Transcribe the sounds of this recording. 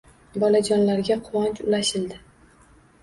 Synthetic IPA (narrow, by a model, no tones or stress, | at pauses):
bɒlad͡ʒɒnlaɾɡʲaqʰʊwɒnt͡ʃʊlaʃɪld̪ɪ